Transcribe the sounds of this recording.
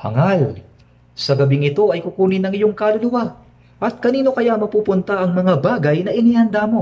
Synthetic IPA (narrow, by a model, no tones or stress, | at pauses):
hɐ̰ŋal | sɐɡɐbɪŋɪt̪o̞ɐjkʊkuːnɪnɐŋɪjoŋkɐlʊlʊwa | ʔɐt̪̚kɐniːno̞kɐjamɐpuːpʊnt̪aʔɐŋmɐŋabaːɡɐjnɐʔɪniːhɐnd̪aːmo̞